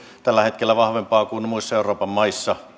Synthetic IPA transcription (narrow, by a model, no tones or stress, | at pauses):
t̪ælːæhet̪kelːæʋɑhʋempɑːkunmuist̪ːeuroːpɑmmɑisːɑ